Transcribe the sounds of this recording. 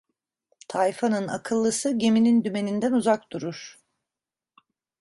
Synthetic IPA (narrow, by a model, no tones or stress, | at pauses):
t̪ʰajfanɯna̰kʰɯlˠːɯsɯɟe̞minind̪yme̞nind̪ænuzak̚d̪uɾuɾ̥